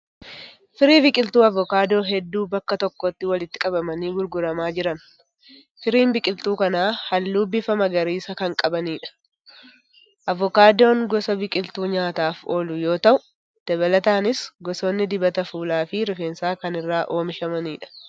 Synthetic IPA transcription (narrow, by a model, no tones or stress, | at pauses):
fɪɾiːbɪkʼɪlt̪uːɐvɔkaːd̪o̞ːɦɛd̪ːuːbɐkːɐt̪ɔkːɔt̪ːɪwɐlɪt̪ːɪ̥kʼɐbɐmɐniːɡʊɾɡʊɾɐmaːd͡ʒɪɾɐn | fɪɾiːmbɪkʼɪlt̪uːkɐnaːhɐlːuːbɪfɐmɐɡɐɾiːsɐkɐŋkʼɐbɐniːᶑɐ̥ | ʔɐvːɔkaːd̪o̞ːŋɡɔsɐbɪkʼɪlt̪uːɲaːt̪aːfoːlʊjo̞ːt̪ɐʔʊ | d̪̥ɐβɐlɐt̪aːnɪsɡɔsoːnːɪd̪ɪbɐt̪ɐfuːlaːfɪɾɪfe̞ːnsaːkɐnɪrːaːʔo̞ːmɪʃɐmɐniːᶑɐ̥